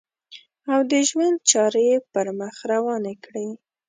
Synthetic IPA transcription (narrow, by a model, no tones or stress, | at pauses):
awd̪əʒwand̪̚t͡ʃɑɾəjepəɾməxɾawɑnekɽi